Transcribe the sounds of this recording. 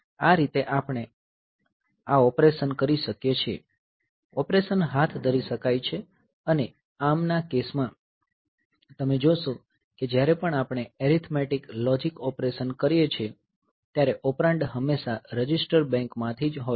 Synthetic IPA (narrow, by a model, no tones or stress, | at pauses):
aɾit̪eʔapɽ̃e | aɔpɾeʃənkəɾiʃəkjet͡ʃʰiḛ | ɔpɾeʃənɦat̪ʰd̪ʱəɾiʃəkajt͡ʃʰe | əne | amnakesmã | t̪əmed͡ʒoʃõ | ked͡ʒjaɾɛpəɳapɽ̃eeɾit̪ʰmeʈiklɔd͡ʒikɔpɾeʃənkəɾjet͡ʃʰe | t̪jaɾeʔɔpɾãɳɖɦəmːeʃaɾəd͡ʒisʈəɾbɛ̃ŋkmãt̪ʰid͡ʒɦo